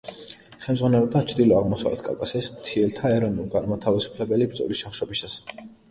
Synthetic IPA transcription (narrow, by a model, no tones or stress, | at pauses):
χɛmdzʁwanɛlɔd̪at͡ʃʰd̪ilɔaʁmɔsa̰vlɛ̰t̪ʰkʼa̰lkʼasiɛsmt̪ʰiɛlt̪ʰaɛɾɔnulɡaɾmat̪ʰavisu̥pʰlɛbɛlibɾd̪zʼɔ̰lisʃaχʃɔbisas